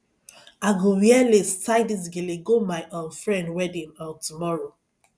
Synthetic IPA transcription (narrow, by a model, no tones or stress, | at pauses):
aɡowjɛlestaɪdis̬ɡeleɡomaɪʔõfɹɛ̃ndwɛdĩmɔtumɔɹo